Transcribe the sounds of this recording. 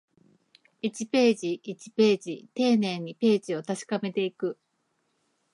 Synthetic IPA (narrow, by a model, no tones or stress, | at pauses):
it͡ɕipe̞ːd͡ʑiʔit͡ɕi̥pe̞ːʑit̪e̞ːnẽ̞ɲ̟ːipe̞ːʑio̞t̪aɕi̥kame̞t̪e̞ikɯ̟